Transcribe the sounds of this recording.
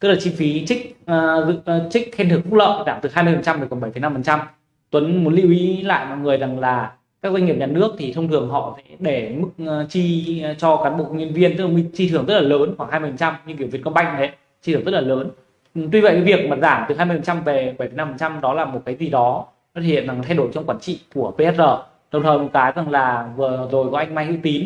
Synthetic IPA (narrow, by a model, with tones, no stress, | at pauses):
t̪ɨ˦˥k̚laː˨˩t͡ɕi˧fi˨˦t͡ɕï˦˥k̚ːzɨ̰˧˨t͡ɕï˦˥k̚xɛ˧nt̪ʰɨ˨˩ŋfu˦˥lə̰ː˧˨ʔzaː˧˩t̪ɨ˨˩ɦaː˧jmɨ˧jfə˨˩nt͡ɕa˧mə˨˩kɔ˧˩ɓə˧˩jfə˨˩jna˧mfə˨˩nt͡ɕa˧m | t̪wə˨˦nmu˨˦nlḭ˧˥wʔi˨˦la̰ː˧˨jmɔ̰˧˨jŋɨ˨˩əjza˨˩ŋlaː˨˩ | kaː˦˥k̚za˧ŋŋ̚˨˩ɲaː˧˩nɨ˦˥ək̚t̪ʰi˨˩t̪ʰə˧wŋ͡mt̪ʰɨ˨˩əŋɦɔ̰˧˨sɛ̰˧˥ɗe˧˩mɨ˦˥k̚ːt͡ɕi˧t͡ɕɔ˧kaː˨˦nɓo̰˧˨kə˧wŋ͡mɲə˧nvi˧ənt̪k̚lːwi˧t͡ɕi˧t̪ʰɨ˨˩əŋzə˦˥t̚laː˨˩ləː˨˦nxwaː˧˩ŋha˧mɨ˧˩fə˨˩t͡ɕa˧mɲɨ˧ŋki˧˩vi˨˩əkɔ˧ɓa˧jŋ˨˩he˦˥t̚ | t͡ɕi˧ɨ˨˩ŋzt̚laː˨˩ləː˨˦n | t̪wi˧və̰˧˨jka˨˦vi˨˩ək̚maː˨˩zaː˧˩mt̪ɨ˨˩ɦaː˧mɨ˧əjfə˨˩t͡ɕa˧mve˨˩ɓə˧˩fə˨˩jna˧mfə˨˩nt͡ɕa˧mɗɔ˨˦laː˨˩mo˨˩t̚kaː˨˦jzi˨˩ɗɔ˨˦ | ɔ˨˦˥ḭ˧˨nza˨˩ŋt̪ʰa˧jɗo˧˩jt͡ɕɔ˧ŋ͡mkwaː˨˦nt͡ɕḭ˧˨ku˧˩əpe˧hɛ˦˥t̚zəː˨˩ | ɗə˨˩ŋ͡mt̪ʰəː˨˩jmo˨˩kaː˨˦jza˨˩ŋlaː˨˩vɨ˨˩əzo˨˩jkɔ˨˦ʔa˧jŋma˧jhɨ̰˧˥wt̪i˨˦n